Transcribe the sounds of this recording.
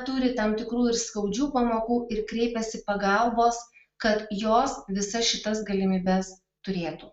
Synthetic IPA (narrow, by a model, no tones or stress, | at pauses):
t̪ʊɾʲɪt̪ɐmt̪ʲɪkɾuːɪɾskɐʊd͡ʒʲuːpɐmoːkuːɪɾkɾʲɛɪpʲɛsʲɪpɐɡɐlˠboːs | kɐt̪joːsʋʲɪsɐsʃʲɪt̪ɐsɡɐlʲɪmʲiːbʲɛs | t̪ʊɾʲeːt̪uː